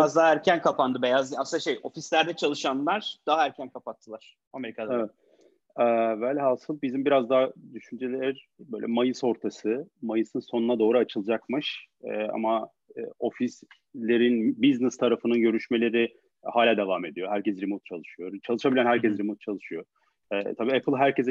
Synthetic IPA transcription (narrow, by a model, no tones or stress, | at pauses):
azd̪aɦæɾcʰænkʰapand̪ɯbejazaslaʃejo̞fislʲæɾd̪ɛt͡ʃʰalˠɯʃanlˠaɾ̥d̪̥aɦaæɾcʰænkʰapat̪ʰːɯlˠaɾ̥ | ameɾikʰad̪evɛt̪ | ɛvælʲɦasɯlˠbizimbiɾazd̪ad̪yʃynd͡ʒelʲeɾ | bø̰ːjlʲʔɛ̰majɯso̞ɾt̪ʰasɯmajɯsɯnso̞nunad̪o̞ːɾuat͡ʃʰɯlˠɯd͡ʒakmɯʃɛːa̰ma̰ː | o̞fis | lʲe̞ɾinbiznɛst̪ʰaɾafɯnɯnɟø̞ɾyʃme̞lʲe̞ɾi | haːlʲaːd̪evaːme̞d̪ijo̞ɦæɾcɛsɾimut̪̚t͡ʃʰalˠɯʃɯjo̞ɾt͡ʃʰalˠɯʃabilʲænɦæɾcʰɛsɾimut̪̚t͡ʃʰalˠɯʃɯjo̞ | ɛːt̪ʰabiːɛpʰɯlˠɦæɾcɛz